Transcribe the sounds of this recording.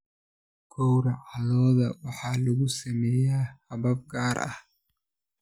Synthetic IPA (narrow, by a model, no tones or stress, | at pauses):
ɡ̥ʰɔwɾɐʕɑlɔːðɐwɑħɑːlɐɣʊsɐmɛjaːhɐβɐb̚ɡaːɾɐ̰h